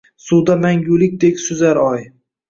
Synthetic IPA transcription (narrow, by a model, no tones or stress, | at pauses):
sud̪amaŋɡulɪk̚ʲd̪ekʲsʊzaɾɒj